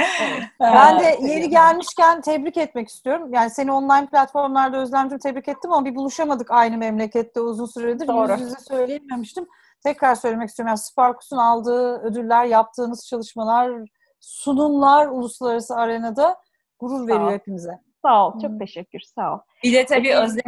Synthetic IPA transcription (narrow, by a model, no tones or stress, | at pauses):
bænd̪ɛje̞ɾiɟælʲmiʃcænt̪ʰɛbɾicɛt̪mɛci̥st̪yjo̞ɾumjaːnise̞nio̞nlˠajnplʲat̪fo̞ɾmlˠaɾd̪aøzlʲænmd͡ʒ̪imt̪ʰɛbɾicɛt̪ːimamabibulˠuʃamad̪ɯkajnɯmɛmlʲecɛt̪lɛuzunsyɾaed̪iɾiizɛsø̞jlʲejɛmemiʃt̪im | t̪ʰɛcɾaɾsø̞jlʲemɛcisyoɾmjanisɯ̥paɾkʰu̥sunalˠd̪ɯːød̪ylʲːæɾjap̚t̪ʰɯːnɯz̥t͡ʃʰalˠɯʃmalˠaɾ | sunumlˠaɾulˠuslˠaɾasɯaɾanad̪a | ɡ̥uɾuɾve̞ɾijo̞hepimizɛ | salˠt͡ʃʰo̞k̚t̪ʰeʃɛcʲːyɾsalˠbilɛt̪ʰabiːøzlʲ